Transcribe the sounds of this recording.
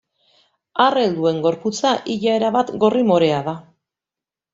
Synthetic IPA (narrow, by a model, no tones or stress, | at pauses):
are̞ld̪ue̞ŋɡo̞ɾput͡saʔiʎae̞ɾaβat̪ɡo̞rimo̞ɾe̞aða